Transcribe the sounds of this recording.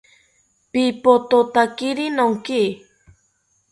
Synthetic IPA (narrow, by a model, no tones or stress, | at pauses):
pipot̪ot̪akiɾinoŋki